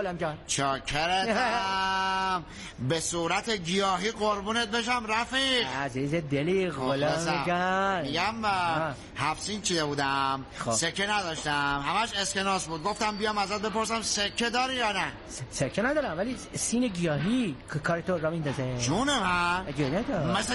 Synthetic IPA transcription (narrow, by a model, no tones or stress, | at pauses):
olæmd͡ʒænt͡ʃʰɒkʰeɾe | m | besuɾæt̪ʰeɡijɒːɦiːɣoɾbuːnet̪̚beʃ̬æmɾæfiɡæziːzed̪eliɣolesɡæmiɡæm | hæfsiːnt͡ʃʰid̪ebuːd̪æmxosekʰːenæd̪ɒːʃt̪æmhæmæʃeskenɒːsbuːd̪̚ɡoft̪æmbijɒmæzæt̪̚be̞poɾsæmsekʰːed̪ɒːɾijɒːnæ | ssekʰːenæd̪ɒːɾæmvæliːsiːneɡijɒːɦikkʰɒːɾet̪ʰoɾɒmind̪ɒːzed͡ʒunemææɡiɒːhinæt̪ɔmæs